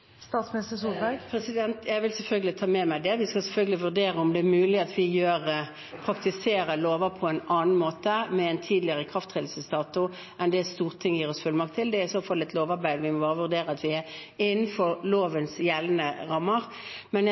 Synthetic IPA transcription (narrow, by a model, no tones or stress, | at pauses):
st̪ɑːt̪smɪnɪst̪əsuːlbæɡpʰɾɛsɪd̪ɛnt̪jæɪʋɪlsɛlfœlɡəlɪt̪ʰɑːmɛmæɪd̪ɛʋɪskɑsɛlfœlɡəlɪʋʉʁd̪eːɾəʊmd̪ɛːmʉːlɪɑt̪ʋɪjøːʁ | pʰɾɑkt̪ɪseːɾəloːʋəpʰɔɛnɑːnn̩moːt̪əmɛɛnt̪ʰiːd̪lɪəʁəkʰʁɑft̪ʰʁɛd̪l̩səst̪ɑːt̪ʊ | ʔɛnd̪ɛst̪uːʁt̪ʰːɪŋːjiːɾɔsfʉlmɑk̚t̪ʰːɪld̪ɛsɔfɔlɪt̪loːʋɑɾbæɪd̪əɾʋɪmɔbɑːʁɾəʋʉʁd̪eːɾəɑt̪ʋɪæ | ɪnːn̩fɔʁloːʋənsjɛlnəʁɑmːəʁ | mɛn